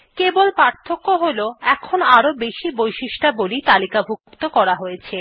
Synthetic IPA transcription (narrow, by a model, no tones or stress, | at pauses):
kebolpaɾt̪ʰːokːoɦoloɛkʰonaɾobeʃibojʃiʃʈabolit̪alikabʱukt̪okɔɾaɦojet͡ɕʰe